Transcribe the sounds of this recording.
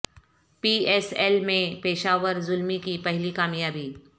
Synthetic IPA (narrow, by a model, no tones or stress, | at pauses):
piːɛːsɛlmẽpeːʃaːʋəɾzʊlmikipɐɦlikaːmjaːbiː